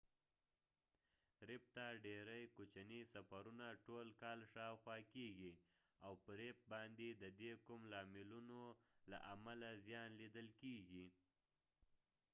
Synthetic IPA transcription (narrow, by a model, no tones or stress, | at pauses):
ɾɪp̚t̪aɖeɾəjkot͡ʃanisafaɾunaʈolkɑlʃɑwxwɑkeɡi | awpəɾep̚bɑnd̪ed̪əd̪ekʊmlɑmɪlunola̰ʔamalazjɑnlid̪əlkeɡi